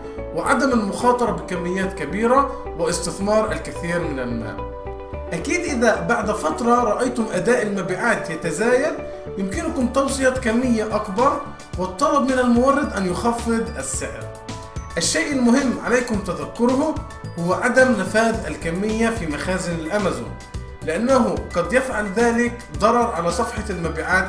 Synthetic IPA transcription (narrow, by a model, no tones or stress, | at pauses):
wɪʕa̰d̪amalmʊxɑːt̪ˤɑɾˤɑbɪkamːɪjːaːt̪kabiːɾa | wɪʔɪst̪ɪθmɑːɾˤʔalkɪθiːɾmɪnælma̰ː | ʔækiːd̪ʔɪðæbaʕd̪fɑt̪ɾˤɑɾˤɑʔɑjt̪ʊmʔad̪aːʔɪlmabiːʕaːt̪jat̪azaːjal | jɪmkɪnʊkʊmt̪ɑwsˤɨjɑkamːɪjːaʔakbɑɾˤ | wɪt̪ˤːɑlɑbmɪnælmʊwɑrˤːɑd̪ʔanjʊxɑfːɨd̪ˤʔæsːɪʕɾ | ʔɪʃːeːʔɪlmʊhɪmːʕalejkʊmt̪æðækːʊɾhʊ | hʊwːæʕad̪æmnɪfaːðʔæ̰lkæmːɪjːæfiːmæxæːzɪnɪlʔæmæzṵːn | lɪʔanːaɦʊqɑd̪jæfʕalðaːlɪk | d̪ˤɑɾˤɑɾˤʕalæːsˤɑfħɑlmæbiːʕaːt̪